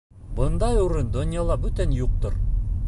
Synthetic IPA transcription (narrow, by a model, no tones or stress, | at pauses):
bɤ̆nd̪ɑjuɾɤnd̪ŏnʲjɑlˠɑbɵt̪ænjuq̚t̪oɾ